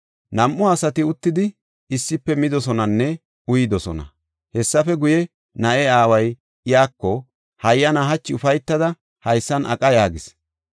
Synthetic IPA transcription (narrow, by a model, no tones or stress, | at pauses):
nɐmʔːʊasɐt̪ɪʊt̪ːɪd̪ɪ | ɪsːɪpːɛmɪd̪ɔsɔnɐnːɛ | ʊjɪd̪ɔsɔ̰nɐ̰ | hɛsːɐfɛɡʊjɛ | nɐʔɛaːwɐj | ɪjaːkːɔ | hɐjːɐnɐɦɐt͡ʃːɪʊfɐjt̪ːɐd̪ɐ | hɐjsːɐnʔɐ̰kʼɐjaːɡɪs